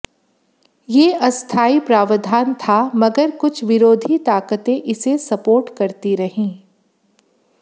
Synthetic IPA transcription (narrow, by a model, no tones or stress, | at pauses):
jeːɐst̪ʰaːipɾaːʋəd̪ʱaːnt̪ʰamɐɡəɾkʊt͡ʃʰʋɪɾoːd̪ʱit̪aːkət̪ẽʔɪsesɐpoːɾʈkɐɾt̪iɾɐɦĩː